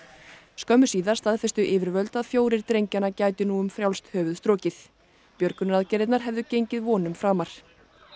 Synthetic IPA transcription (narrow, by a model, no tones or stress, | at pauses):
skœmːʏsiːðaɾ̥st̪aðfɛst̪ʏʔɪːvɪɾvœlt̪aðfjoːwɾɪɾ̥t̪ɾejɲcanacaːjt̪ʏnuːʏmfɾjawlst̪hœːvʏðst̪ɾɔːcɪθ | pjœɾkʏnʏɾaðcɛɾɪt̪naɾ̥ɦɛvðʏcejɲcɪðvɔːnʏmfɾaːmaɾ̥